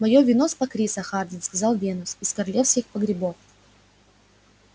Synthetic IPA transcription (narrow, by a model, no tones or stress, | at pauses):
mɐjovʲɪnospɐkɾʲisɐxard̪ʲɪnskɐzɑlˠvʲenʊsɪskɐɾɐlʲefskʲɪxpəɡɾʲɪbof